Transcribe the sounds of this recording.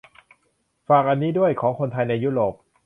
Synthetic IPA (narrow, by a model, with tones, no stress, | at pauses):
faː˨˩k̚ʔa˧nːiː˦˥du˥˩əjkʰɔː˩˦ŋkʰo˧nt̪ʰa˧jna˧jːuː˦˥˩ɾoː˨˩p̚